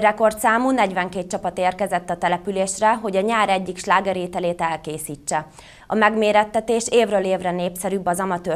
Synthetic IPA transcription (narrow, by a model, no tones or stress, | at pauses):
rɛko̞rt̪saːmuːnɛɟvɛŋkeːt̪̚t͡ʃɒpɒt̪eːrkɛzɛt̪ːɒt̪ɛlɛpyleːʃrɛɦo̞ɟɒɲaːɾɛɟːikʃlaːɡɛɾeːt̪ɛleːt̪ɛlkeːsiːt͡ʃːɛ | ɒmɛɡmeːɾɛt̪ːɛt̪eːʃeːvrøːleːvrɛneːpsɛɾybːɒzɒmɒt̪øː